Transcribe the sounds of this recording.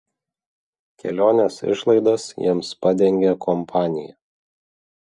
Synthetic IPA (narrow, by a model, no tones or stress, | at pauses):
kʲɛ̰lʲoːnʲesɪ̰ʃlˠɐɪd̪ɐsjḭɛmspɑd̪ʲɛŋʲɡʲɛkʰɔmpʰɑːnʲɪjɛ̰